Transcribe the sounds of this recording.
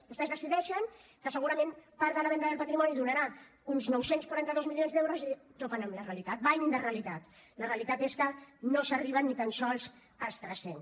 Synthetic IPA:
bust̪ɛzðəsiðɛʃəŋkəsəɣuɾəmẽnpaɾðələβɛnd̪əðəlˠpət̪ɾimɔniðunəɾa | unznɔwsenskwaɾant̪əðozmilionzðewɾozit̪opənəmləreəlit̪at̪̚bajd̪əreəlit̪at̪ | ləreəlit̪at̪eskənosəriβ̞ənːit̪ansɔlˠz | əlˠst̪ɾɛsen

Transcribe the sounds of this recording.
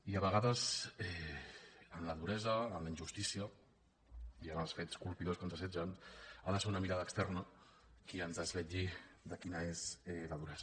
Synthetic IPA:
iəβəɣ̞aðəzɛ | ənləðuɾɛzəːnləind͡ʒʒust̪isiə | iənəlˠsfet͡skulˠpiðoskənzəsɛd͡ʒənaðəseunəmiɾaðəkst̪ɛrnə | kiənzðəzβɛʎid̪əkinəezɛləðuɾɛzə

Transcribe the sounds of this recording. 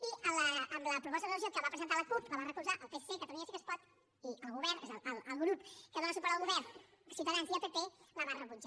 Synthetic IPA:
iələəmləpɾupɔst̪əðələʒot̪̚kəβapɾəzənt̪aləkuɾt̪ləβarəkuzaʔəlˠpesekət̪əluɲasikəspɔt̪ | iʔəlˠɣuβɛɾnezələləlˠɣɾupkəðonəsupəɾaəlɣuβɛrn | siuwt̪aðansziəpepeləβarəβud͡ʒa

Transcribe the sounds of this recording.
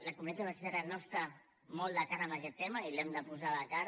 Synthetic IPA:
lakumuniat̪iβəsit̪eɾanost̪a | mɔlːakaɾəmbakɛt̪ːɛmailɛmd̪əpuzalakaɾ

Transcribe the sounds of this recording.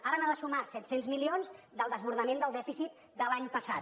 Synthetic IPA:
aɾənaðəsumasɛt̪senzmilionz | d̪əlˠd̪əzβuɾðəmẽnd̪əlˠd̪ɛfisit̪ | d̪əlaɲpəsat̪

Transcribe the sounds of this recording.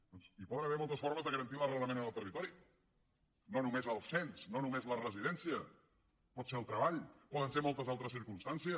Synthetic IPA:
d̪ɔnsipɔðənəβeɾmɔlˠt̪əsfɔɾməzðəɣəɾənt̪ilərələmenənəlˠt̪ərit̪ɔɾi | nonumezəlˠsensnonumezlərəziðɛnsiə | pɔt̪seəlˠt̪ɾəβaʎpɔðənsemɔlˠt̪əzalˠt̪ɾəsiɾkumst̪ansiə

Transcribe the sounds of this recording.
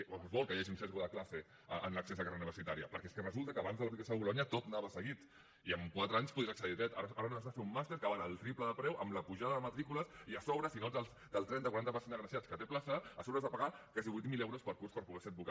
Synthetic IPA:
zβɔlˠkəjaʒiunsɛt̪ɾuðəklase | ənləksezðəkareuniβəɾsit̪aɾiə̰pəɾkɛeskərəzulˠt̪əkəːβanzðəlpɾikesəβulɔɲət̪ot̪naβəsəɣit̪ | iəmkwat̪ɾəaɲspuðiaksəðiðɾɛt̪aɾʔaɾənonəzðəfeumːast̪eɾkəβanəlˠt̪ɾipləðəpɾɛwʔəmləpuʒaðəðəmət̪ɾikuləsiəsɔβɾəsinoəlˠsd̪̥əlˠt̪ɾɛnt̪əkwaɾant̪əpasind̪əɣɾəsiat͡skət̪eplasəəsoβɾəzðəpaɣakaziβujt̪milɛwɾospəɾkurspəɾpuɣɛsəd̪buka

